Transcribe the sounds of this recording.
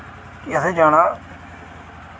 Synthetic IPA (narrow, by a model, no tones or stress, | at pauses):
kiəsẽːd͡ʒaːɽãː